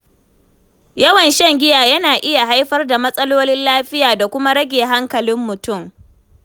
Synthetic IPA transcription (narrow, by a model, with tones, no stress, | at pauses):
jɐ˦wɐ˨nʃɛ˦ŋɡʲɪ˦jaː˨jɐ˦naː˨ʔɪ˦ja˨ɦa˦jɸɐ˦rda˨mɐ˦sʼɐ˦loː˦nɪ˦nlaː˦ɸɪ˦jaː˨da˨kʷʊ˦ma˦ɽɐ˦ɡʲeː˨ɦa˦ŋkɐ˨lɪ˦mːʊ˨tʊ˦˨m